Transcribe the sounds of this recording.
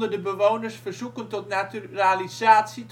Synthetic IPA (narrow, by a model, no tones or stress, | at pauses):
dərdəbəʋownərsfərzukəntɔtnatyralizaːtsit